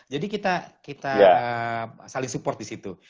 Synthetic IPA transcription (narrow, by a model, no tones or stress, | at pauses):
d͡ʒadikit̪akit̪ajaəsalɪŋsupɔrt̪̚disit̪u